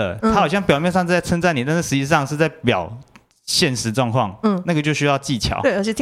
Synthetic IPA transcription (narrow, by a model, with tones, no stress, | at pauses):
ə̰˩t̪ʰa˥˨ɑ˨ʊɕjɑ˥˩ŋpjɑ˨ʊmjɛ˥˧nʂɑ˥˧ŋ̩˥˧t͡sa˥˩t͡sʰə˥ŋt͡sa˥˩ni˨˩t̪a˥˧nʂ̩˥˩ʂɻ̩˧˥t͡ɕi˧ʂɑ˥˧ŋʂɻ̩˥˧t͡sa˥˩ɪpjɑ̰˨˩ʊ | ɕjɛ˥˩nʂɻ̩˧˦˥ʈ͡ʂwɑ˥˧ŋkʰwɑ˥˨ŋ̩˥˩na˥˩ɡə˩t͡ɕjo˥˧ʊɕy˥jɑ˥˧ʊt͡ɕi˥˨t͡ɕʰjɑ̰˨˩˦ʊwə˥˩t͡ɕʰɛ˨˩˥